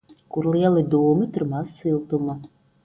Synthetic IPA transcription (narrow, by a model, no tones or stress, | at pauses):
kuɾlˠiɛlˠɨd̪uːmɨt̪uɾmɑsːɨlˠt̪umɐ